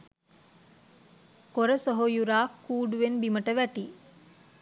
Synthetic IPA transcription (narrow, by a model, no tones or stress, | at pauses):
koɾəsoɦojuɾaːkʰːuːɖuʋenbiməʈəʋæʈiː